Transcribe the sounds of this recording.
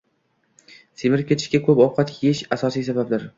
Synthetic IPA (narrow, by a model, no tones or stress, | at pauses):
semɪɾ̚kʲʰe̞t̪ʰɪ̥ʃkʲakʰɵpɒwqʰɑt̪jeʃasɒsijsabap̚d̪ɪɾ